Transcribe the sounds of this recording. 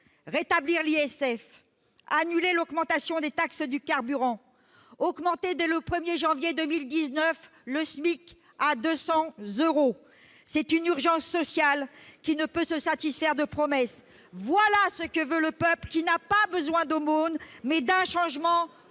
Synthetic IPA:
ʁet̪abliʁliɛsɛf | anylelɔɡmɑ̃t̪asjɔ̃d̪et̪aksd̪ykaʁbyʁɑ̃ | ɔɡmɑ̃t̪ed̪ɛləpχəmjeʒɑ̃vjed̪ømild̪iznœf | ləsmik | ad̪øsɑ̃zøʁo | sɛt̪ynyʁʒɑ̃sːɔsjalkʲinəpøsəsat̪isfɛʁd̪əpχɔmɛs | vwalasəkəvøləpœplkʲinapabəzwɛ̃d̪omonmɛd̪ɛ̃ʃɑ̃ʒmɑ̃

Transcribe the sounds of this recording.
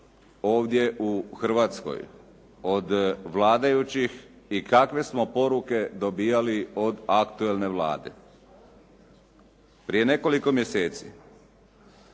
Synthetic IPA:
o̞ːʋd̪je̞ʔuxr̩ʋat̪sko̞̰j | o̞d̪ʋlaːd̪ajut͡ɕix | ikakʋe̞smo̞po̞ɾuke̞d̪o̞biːjalio̞d̪akt̪ue̞lne̞ʋla̰ːd̪e̞̰ | pɾije̞ne̞ko̞liko̞mjeseːt̪sḭ

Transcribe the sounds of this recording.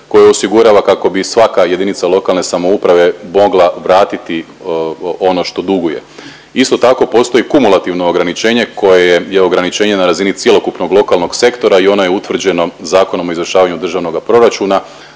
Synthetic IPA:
ko̞jeo̞siɡuɾaːʋakako̞bisʋakaje̞d̪init̪salˠo̞kalne̞samoupɾaʋe̞mo̞ɡlˠaʋɾaːt̪it̪i | o̞no̞ʃt̪o̞d̪uɡoje̞̰ | ist̪o̞t̪ako̞po̞ːst̪o̞jikumulˠat̪iʋno̞ːɡɾanit͡ʃe̞ːɲe̞kʰo̞jejejeo̞ɡɾanit͡ʃe̞ːɲe̞naɾazinit̪sje̞lˠo̞kupnoɡlˠo̞kalˠno̞ɡse̞kt̪o̞ɾaio̞nojeut̪ʋr̩d͡ʑe̞no̞zaːko̞no̞mo̞izʋr̩ʃaːʋaɲud̪r̩ʒaʋno̞ɡapɾo̞ɾat͡ʃuːna

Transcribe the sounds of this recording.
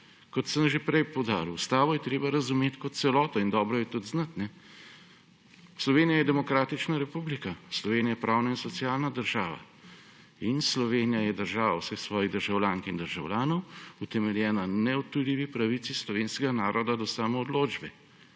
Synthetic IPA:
kɔt̪səmʒepɾɛjpɔwd̪aːɾust̪aːʋɔjɛt̪ɾeːbaɾɐzumeːt̪kɔt̪̚sɛlɔːt̪ɔind̪ɔːbɾɔjɛt̪ud̪znat̪nɛ | slɔʋeːnijajɛd̪ɛmɔkɾaːt̪it͡ʃnaɾɛpublikaslɔʋeːnijajɛpɾʔaːwnainsɔt̪sijaːlnad̪əɾʒaːʋa̰ | inslɔʋeːnijajɛd̪əɾʒaːʋawsɛxsʋɔːjid̪əɾʒawlʲjaːŋkiind̪əɾʒa̰wlʲjaːnɔwut̪ɛmɛljɛːnanɛɔt̪ulʲiːʋipɾaʋit̪sislɔʋeːnskɛɡanaːɾɔd̪ad̪ɔsaːmɔːd̪loːd͡ʒbɛ

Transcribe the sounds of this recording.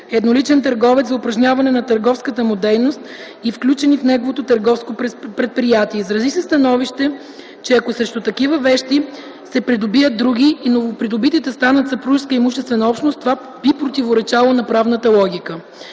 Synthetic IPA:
ɛd̪nolit͡ʃɛnt̪ɐɾɡɔvɛt̪sɐʊpɾɐʒnʲjavɐnɛnɐt̪ɐɾɡɔfskət̪əmod̪ɛɾnost̪ | ifklʲut͡ʃɛnifnɛɡovot̪ot̪ɐɾɡɔfskopɾɛt̪̚pɾijat̪iɛizɾɐzisɛst̪ɐnɔviʃt̪ɛ | t͡ʃɛɐkosɾɛʃt̪ʊt̪ɐkivəvɛʃt̪i | sɛpɾid̪obiət̪̚d̪ɾuɡ̟iːnovopɾid̪obit̪it̪ɛst̪anɐt̪sɐpɾuʃskəimuʃt̪ɛst̪vɛnəɔpʃnost̪va | bipɾot̪ivoɾɛt͡ʃalˠənɐpɾavnət̪əlˠɔɡʲikə

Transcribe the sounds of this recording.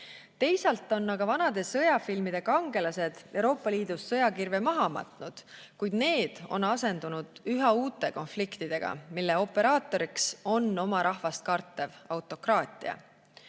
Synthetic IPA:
t̪e̞jsɑlt̪ːˑo̞nːɑɡ̥ɑvɑnɑd̪̥e̞sɤjɑfilmid̪̥e̞kɑŋɡe̞lɑse̞d̪̥e̞wɾo̞ːpːˑɑliːd̪̥usːɤjɑkirve̞mɑɦɑmɑ̰t̪ˑnud̪̥ | kujd̪̥ne̞ːd̪̥o̞̰nɑse̞nd̪̥unud̪̥yɦɑuːt̪ːˑe̞ko̞nflikt̪id̪̥e̞ɡ̥ɑ̰milːe̞o̞pːe̞ɾɑːt̪ːˑo̞ɾikso̞nːo̞mɑɾʔɑhvɑst̪̚kɑrt̪ːˑe̞vɑwt̪ːˑo̞krɑːt̪ʲˑḭɑ̰

